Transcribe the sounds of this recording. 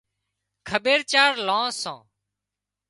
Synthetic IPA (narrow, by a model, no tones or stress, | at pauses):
kʰəɓeːɾt͡ʃaːɾlãːsãː